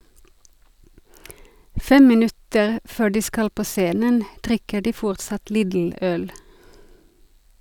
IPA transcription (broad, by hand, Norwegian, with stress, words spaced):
ˈfɛm mɪˈnʉtəʁ ˈføː ˈɖiː ˈskɑl ˈpoː ˈseːnən ˈdʁɪkə ˈɖiː ˈfɔʁtsɑt ˈliːdl̩ ˈœl